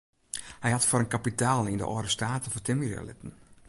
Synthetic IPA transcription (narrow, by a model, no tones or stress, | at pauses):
hɛjhatfoɾənkapitʰaːlˠində̰ʔɔ̰ːɾəstaːtəfɔtɪmira̰lɪ̰tən̩